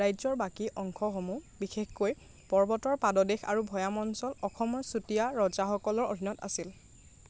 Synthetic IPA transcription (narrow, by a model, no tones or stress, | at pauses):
ajzɔɹbakiʔɔŋkʰɔxomubixexkoj | pɔɹbɔtɔɹpadɔdexa̰ɹubʱɔjamɔnsɔlɔxɔmɔɹsutijaɹɔzaxɔkɔlɔɹo̰dʱinɔta̰sil